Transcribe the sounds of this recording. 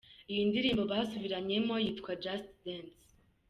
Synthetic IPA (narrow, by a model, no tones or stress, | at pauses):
ijindiɾiːmbo̞βasuβiɾaɲe̞mo̞jiːtkwad͡ʒastdens